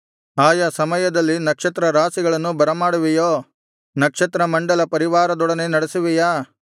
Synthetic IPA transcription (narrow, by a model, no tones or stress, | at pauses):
aːjɐsɐmɐjɐd̪ɐlːinɐkʂɐt̪ɾɐɾaːsiɡɐɭɐnːubɐɾɐmaːɽuʋijoː | nɐkʂɐt̪ɾɐmɐɳɖɐlɐpɐɾiʋaːɾɐd̪ɔɽɐne̞nɐɽesuʋijaː